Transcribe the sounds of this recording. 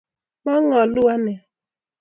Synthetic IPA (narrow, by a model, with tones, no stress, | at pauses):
mɔ˦ŋɔ˨lu˦a˦ne˨